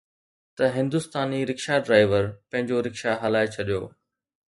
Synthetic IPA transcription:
t̪ɐɦɪ̃nd̪ʊst̪aːniɾɪkʃaɖɾaːɪʋəɾpɐ̃ɦɪ̃ɲd͡ʑoɾɪkʃaɦɐlaːet͡ɕʰɐɗijo̰ː

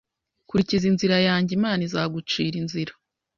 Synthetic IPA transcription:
kuɾicizinziɾajaːɲɟimaːnizaːɡut͡ʃiːɾinziɾḁ

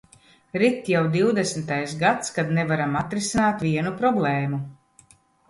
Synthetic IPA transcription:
ɾit̪jawd̪iwd̪esmɪt̪ajsɡat̪skad̪nevaɾamat̪ɾisinaːt̪vʲiɛnupɾɔblˠɛːmu

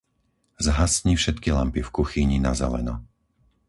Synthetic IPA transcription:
zɦasɲifʃɛt̪kila̰mpifkuxiɲinazɛ̰lɛ̰nɔ

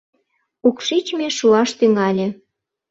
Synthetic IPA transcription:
ukʃit͡ɕmeʃuɑʃt̪yŋɑlʲĕ

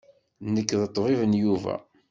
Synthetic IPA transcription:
nəkːðət̪ˤːvivənjuvæ̰

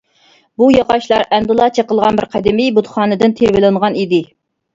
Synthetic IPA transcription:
bujɑqɑʃlˠɑɾʔɛnd̪ɨlˠɑt͡ʃʰeqəlˠʁɑnbɪɾqʰæd̪ɪmibut̪χɑːnɨd̪ɪnt̪ʰeɾvɪlɨɴʁɑnid̪ɪ

